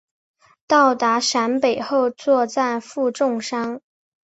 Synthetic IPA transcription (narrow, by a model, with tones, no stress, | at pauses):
t̪ɑ˥˩ʊt̪a˧˥ʂa˧˥npe˨˩ɪxo˥˧ʊt͡swɔ˥˧t͡sa˥˧ɪfu˥˧ʈ͡ʂʊ˥˩ŋʂɑ˥ŋ